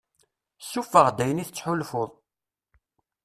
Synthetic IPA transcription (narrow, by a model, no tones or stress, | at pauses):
sːufəʁd̪æjəniθət͡sːħʊlfoðˤ